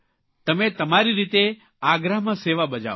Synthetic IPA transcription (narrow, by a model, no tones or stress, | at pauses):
t̪əmẽt̪əmaɾiɾit̪e | aɡɾamãseʋabəd͡ʒa̰